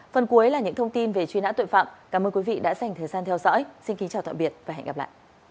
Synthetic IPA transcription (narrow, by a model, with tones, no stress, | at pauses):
fə˨˩nku˨˦ə˦jlaː˨˩ɲɨ̰˧˥ŋt̪ʰə˧wŋ͡mt̪i˧nve˨˩t͡ɕwi˧na̰˧˥t̪wə˧˨fa̰ː˧˨mkaː˧˩mʔəː˧nkwi˨˦vḭ˧˨ɗa̰ː˧˥za˨˩jŋ̟t̪ʰəː˨˩jzaː˧nt̪ʰɛ˧wzɔ̰ː˧˥jsi˧nki˨˦ŋt͡ɕaː˨˩wt̪a̰ː˧˨mɓi˨˩ət̚vaː˨˩ɦɛ̰˧˨ŋ̟a˨˩la̰ː˧˨jʔ